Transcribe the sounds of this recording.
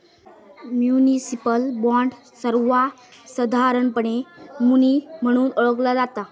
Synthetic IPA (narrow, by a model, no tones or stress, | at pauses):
mjunisipəlbɔ̃ɳɖ | səɾʋa | səd̪ʱaɾəɳpəɳ̃emunim̤əɽ̃uːnəɭəklad͡zat̪a